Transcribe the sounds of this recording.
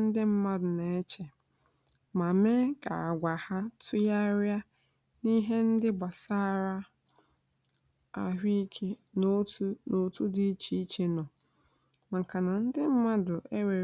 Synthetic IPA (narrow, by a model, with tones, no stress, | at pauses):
n̩˦dɪ˦m̩˦ma˦dʊ˨ne˨e˦t͡ʃe˨ | ma˨me˦ka̰˨a˨ɡʷa˨ha˦tʰʊ˦ja˦ɾja˦ | ni˦ɦe˦n̩˦dɪ˦ba˨sa˦˨ɾa˦ | a̰˨ɦi˦kʰe˦n˦tno˨tu˦di˦i˦t͡ʃi˦i˦t͡ʃe˨nɔ˨ | ma˨ŋ̩˨ka˨na˨n̩˦dɪ˦m̩˦ma˦dʊ˨e˦we˨